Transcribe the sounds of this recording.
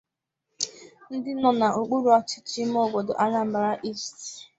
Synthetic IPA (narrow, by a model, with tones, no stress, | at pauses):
n̩˦dɪ˦nɔ˨na˨ʔo˨k͡pu˦ɾu˨a˦˨t͡ʃɪ̥˦t͡ʃɪ˦m˦ɔ˦˨bo˨do̰˨ʔa˦ɲa˦m̩˦ba˨ɾa˦ʔi˦˨st